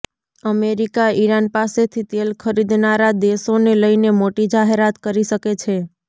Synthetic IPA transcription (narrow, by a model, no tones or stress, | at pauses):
əmeɾikaiɾanpaset̪ʰit̪elkʰəɾid̪naɾad̪eʃoneləjnemoʈid͡ʒaɦeɾat̪kəɾiʃəket͡ʃʰe